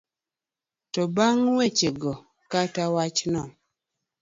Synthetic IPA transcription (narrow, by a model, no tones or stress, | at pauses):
tɔbaŋwet͡ʃeɡɔ | katawat͡ʃnɔm